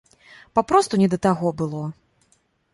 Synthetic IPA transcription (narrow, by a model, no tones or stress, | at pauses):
papɾɔst̪unʲɛd̪ɐt̪aɣɔbɨlˠɔ